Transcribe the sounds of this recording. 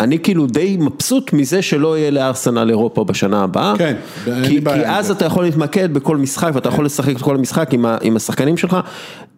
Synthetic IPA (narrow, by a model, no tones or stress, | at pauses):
ʔanikiːlud̪e̞jmapsut̪mize̞ʃe̞lo̞ijeleaʁsena̰leʁo̞pabaʃanaːbaʔaken | kikiʔazat̪ajaχo̞lit̪make̞d̪̚beko̞lmisχakveat̪aja̰χo̞le̞saχeket̪̚ko̞lamisχakimaʔḭmasaχkanimʃe̞lχa